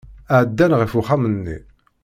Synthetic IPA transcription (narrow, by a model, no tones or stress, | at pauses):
æʕd̪ːænʁəfuχamənːḭ